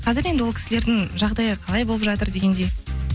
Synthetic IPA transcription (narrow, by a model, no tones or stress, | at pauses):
qʰɑzɪɾe̞nd̪ɪwokʲʰɪsɪle̞ɾd̪ɪŋʒɑʁd̪ɑjəqʰɑlˠɑjbo̞lˠəpʒɑt̪əɾd̪e̞ɡʲe̞nd̪e̞j